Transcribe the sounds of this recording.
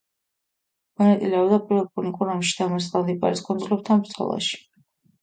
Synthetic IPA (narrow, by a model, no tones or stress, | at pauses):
mɔnat̪sʼilɛɔbd̪apʼiɾvɛlˠpʼunikʼuɾamʃi̥d̪amasʼχʼlˠanipʼa̰ɾiskʼɔnzlɛb̚t̪ʰanbɾt̪sʰɔ̰lˠa̰ʃi̥